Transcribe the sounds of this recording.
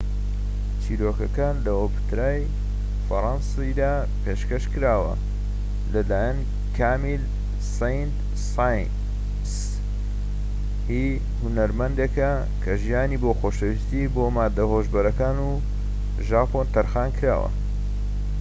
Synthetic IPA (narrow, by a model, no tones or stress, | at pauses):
t͡ʃʰiːɾoːkɐkaːnlɐopt̪ɾaːj | fɐɾˤɑnsid̪aː | pʰeʃkɐʃkɨɾaːwɐ̰ | lɐlaːjan | kʰaːmil | sejnt̪ | s | s | hi | hʊnɐɾmɐnd̪ekɐ | kʰɐʒijaːniːboːxoːʃɐwist̪iboːmaːd̪ɐhoːʒbɐɾɐkaːnuː | ʒaːpʰont̪ʰɐɾxaːnkʰɾa̰ːwɐ̰